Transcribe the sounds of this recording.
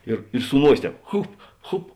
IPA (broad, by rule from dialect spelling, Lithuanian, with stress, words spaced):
ɪr ɪ sʊ ˈnuɔsʲeː ˈtʲɛːp ˈxʊp ˈxʊp